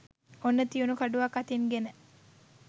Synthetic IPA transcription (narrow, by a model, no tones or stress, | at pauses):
onːət̪ijunukaɖuʋakːat̪inɡenə